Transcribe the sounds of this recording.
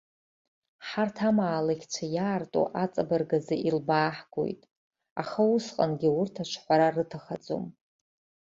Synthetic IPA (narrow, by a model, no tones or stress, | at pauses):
ħartʰamaːlakʲʰt͡ɕʷʰajaːrtʼo̰ʔat͡sʼabarɡazɨʔilbaːħɡo̰jtʼ | a̰χausqʼa̰nɡʲiʊrtʰat͡ʃʷʰħʷaɾarɨtʰaχad͡zo̰m